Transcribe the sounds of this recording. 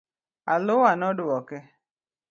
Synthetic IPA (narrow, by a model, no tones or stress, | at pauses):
alʊwanɔdʊwɔkɛ